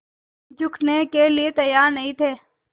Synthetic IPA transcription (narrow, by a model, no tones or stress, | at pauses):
d͡ʒʊkʰnekeliet̪əjaːɾnɐɦĩːt̪ʰeː